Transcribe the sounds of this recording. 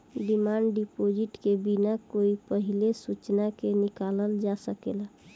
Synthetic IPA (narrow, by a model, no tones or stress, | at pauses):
ɖimaːɳɖɖipod͡ʒiʈkebinakoipəɦilesut͡ʃnakenikaləld͡ʒasəkḛla